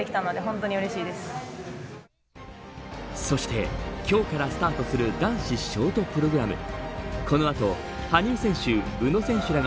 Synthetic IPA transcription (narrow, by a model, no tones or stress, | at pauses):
ekʲi̥t̪anod̪e̞ɦõnt̪o̞ɲ̟iɯɾeɕiːd̪e̞sɨ̥ | so̞ɕi̥t̪e̞̰kʲo̞ːkaɾasɨ̥t̪aːt̪o̞sɨɾɯ̟d̪ãɰ̃ɕiɕo̞ːt̪o̞pɯ̟ɾo̞ɡɯ̟ɾamɯ̟̰kʰo̞no̞at̪o̞ | haɲ̟ĩːsẽ̞ɰ̃ɕɨbɯ̟no̞sẽ̞ɰ̃ɕɨɾaɡ